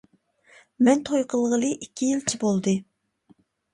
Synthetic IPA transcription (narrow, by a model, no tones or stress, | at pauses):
mɛnt̪ʰojqʰəlˠʁəlˠɨʔikʲʰːijilt͡ʃʰibolˠd̪ɨ